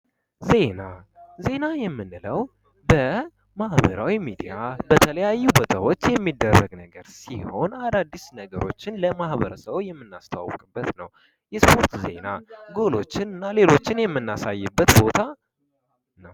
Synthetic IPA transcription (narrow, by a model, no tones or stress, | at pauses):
ze̞naze̞najɛmːɨnɨləw | bə | mahbə̰ɾawimid̪ijabət̪ʰələjajːubət̪ʰəwo̞t͡ʃːjɛmːid̪ːərːəɡnəɡəɾsiho̞̰nad̪ad̪ːisnəɡəɾo̞̰t͡ʃːɪnləmahβəɾəsəβjɛmːɨnːast̪ʰawa̰wkʼɨbːət̪nəw | jɛspʰo̞ɾt̪ze̞̰naɡo̞lo̞t͡ʃːɪnɨnːale̞lo̞t͡ʃːɪnjɛmːɨnːasajːɨbːət̪bo̞t̪ʰa | nəw